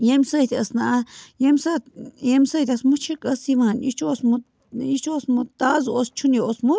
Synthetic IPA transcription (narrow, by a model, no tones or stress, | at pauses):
jemsait̪iəsnãʔajemsajemsat̪asmut͡ʃikəsimanit͡ʃuosmu | it͡ʃuosmut̪azʔost͡ʃunĩosmũ